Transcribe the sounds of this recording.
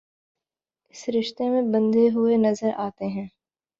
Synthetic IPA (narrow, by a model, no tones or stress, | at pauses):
ɪsɾɪʃt̪emẽbɐ̃nd̪eɦʊenɐzəɾaːt̪eɦɛ̃ː